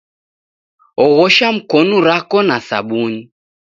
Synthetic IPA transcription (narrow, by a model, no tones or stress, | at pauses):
ɔɣɔʃam̩kɔnuɾakɔnasa̰ɓuɲi